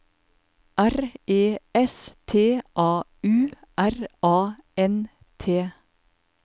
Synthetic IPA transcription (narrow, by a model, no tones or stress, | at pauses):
ʔæɾeːɛst̪ʰeːʔɑːʉːʔæɾʔɑːɛn | t̪ʰeː